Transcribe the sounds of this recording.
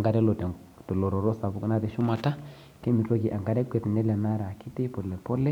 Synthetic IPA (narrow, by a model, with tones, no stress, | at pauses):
ŋɡa˦ɾɛ˦lo˨tɛ˨ | tɔ˨lo˨ɾɔ˨ɾo˦sa˨bu˦kna˦ti˨ʃu˦ma˨ta˦ | ke˦mi˨to˦ki˨ʔa˨ŋɡa˦ɾɛ˦kʷɛ˨tnɛ˦lɛ˨na˦ɾa˨ki˦ti˦pɔ˨lɛ˨pɔ˦lɛ˦